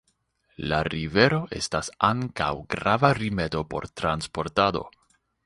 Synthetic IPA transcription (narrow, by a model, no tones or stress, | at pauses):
laɾive̞ɾo̞ʔe̞̰stasaŋka̰wɡɾavaɾime̞do̞po̞̰ɾt̪ɾanspo̞ɾtado̞̰